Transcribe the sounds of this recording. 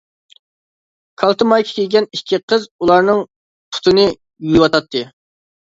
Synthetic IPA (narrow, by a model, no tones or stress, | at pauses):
kʰɑlˠt̪ʰɨmɑjkʲʰi̥kʲʰelʲɡʲɛnikʲʰːiqʰəzulˠɑɾnɨŋ | t̪ʰʊ̥t̪ʰɨnɨ | jyjwɑt̪ɑt̪ʰːɨ